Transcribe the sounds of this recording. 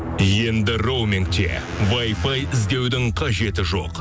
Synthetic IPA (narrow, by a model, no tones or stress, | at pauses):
je̞nd̪ɪrowmʲɪŋkt̪ḛ | vɑjfɑjɪzd̪e̞wd̪ɪŋqʰɑʒe̞t̪ɪʒo̞q